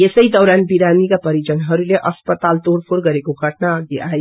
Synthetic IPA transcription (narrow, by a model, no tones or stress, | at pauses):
esəɦid̪ɔːɾanbiɾanikapəɾid͡ʒənɦəɾuleʔəspət̪alt̪oɾpʰoɾɡəɾekoɡʱəʈnaəɡeai